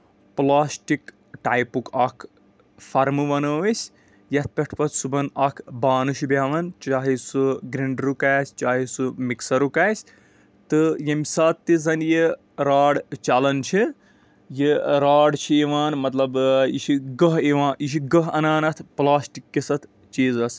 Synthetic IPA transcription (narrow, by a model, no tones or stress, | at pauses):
plaːsʈik | ʈaːjpukɐkʰ | fʰɐɾmɨʋɐnɐːʋɐsʲ | jɐt̪̚ʰpʲɐʈʰpɐt̪ʰsubɐnɐkʰbaːnɨʃʰibʲaːʋɐnt͡ʃaːɦisuɡɾiɳɖɾukaːsʲt͡ʃaːɦisumiksɐɾukaːsʲ | t̪ɨjɐmʲsaːt̪ːizɐnji | ɾaːɽt͡ʃɐlɐnt͡ʃʰi | jiɾaːɽt͡ʃʰieʋaːnmɐt̪lɐbḭʃiɡɐɦeʋaːʔiʃ̬iɡɐɦɐ̰naːnɐt̪ʰplaːsʈikːisɐt̪ʰ | t͡ʃiːzɐs